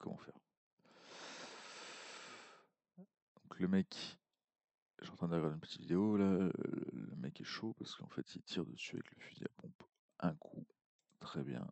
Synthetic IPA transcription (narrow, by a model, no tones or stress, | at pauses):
kʰɔmɑ̰̃fɛ̰ʁ | d̪̥ɔ̃kʰləmɛk | ɛt̪ɑ̃t̪χɛ̃d̪əʁɡaʁd̪eynpət̪ʰit̪vid̪eola̰ | ləmɛkɛʃopaʁsə̥kəɑ̰̃fɛt̪ʰilt̪ʰiʁd̪əsya̰vɛ̰kləfyzḭa̰pɔ̃p | ʔɛ̃kʰu | t̪χɛbjɛ̰̃